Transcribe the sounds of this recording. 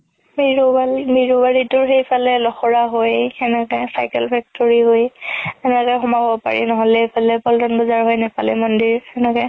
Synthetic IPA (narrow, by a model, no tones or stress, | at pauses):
mɹamiɹubaɹitʊɹxejpʰalɛlɔxɔɹaɦojɛnɛkɛsajkɛlpʰɛk̚tɔɹiɦojɛnɛkɛxɔmabɔpa̰ɹḭnɔɦɔlɛejpʰalɛpɔldɔnbɔzaɹɦojnɛpalɛmɔndiɹɛnɛkɛ